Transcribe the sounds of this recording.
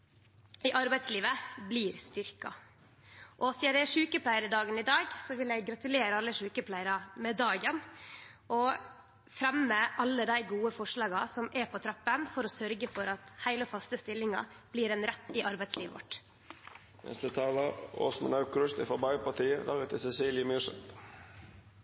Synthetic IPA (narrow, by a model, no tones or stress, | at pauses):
ɪʔɑɾbæɪd̪sliːʋəbliːɾst̪ʏɾkɑ̰ | ʔɔsɪːɑɾæʂʉːkəpʰlæɪəɾəd̪ɑːɡənɪd̪ɑːɡsɔʋɪljæɪɡɡɾɑt̪ʉleːɾəɑlːəʂʉːkəpʰlæɪəɾɑmɛd̪ɑːɡənʔɔ | fɾɛmːəʔɑlːəd̪æɪɡuːəfɔʂɭɑːɡɑsɔmɛɾpʰɔt̪ʰɾɑpːənfɔɾɔsœɾɡəfɔɾɑt̪hæɪləɔfɑst̪əst̪ɪlːɪŋɑ̰ | b̥liːɾɛnɾɛt̪ːɪʔɑɾbæɪsliːʋə̰ʋɔ̰ʈː | nɛ̰st̪ət̪ʰɑːlɑo̰ːsmə̰nɑʉklʉst̪ɪfɔbɑɪpɑʈ̪iːəlɑ̰ːɡət̪ʰɪsɛsiːljəmyʂɛ̰t̪